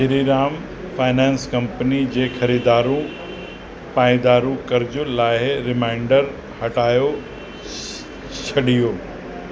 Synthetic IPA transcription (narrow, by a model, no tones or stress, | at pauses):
d͡ʑɪɾiɾaːm | faːɪnɛ̃ːnskɐ̃mpənid͡ʑeːxɐɾiːd̪aːɾũ | paːɪd̪aːɾũkɐɾɪd͡ʑʊlaːɦɾɪmãːɪɳɖəɾ | hɐʈaːjo | t͡ɕʰɐɗijoː